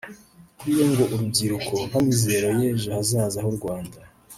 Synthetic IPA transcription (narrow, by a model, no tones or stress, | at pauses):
kuɾijeŋɡo̞ʔuɾubɡiɾuko̞hamizeɾojeːʒuhazaːzaɦoɾɡwaːnda